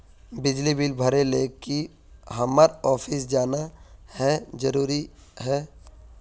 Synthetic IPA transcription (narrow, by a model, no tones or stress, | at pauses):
bɪd͡ʒlibilbʱəɾeleːki | ɦəməɾɔːpʰɪs̬d͡ʒaːnahɛd͡ʒəɾuːɾiɦɛː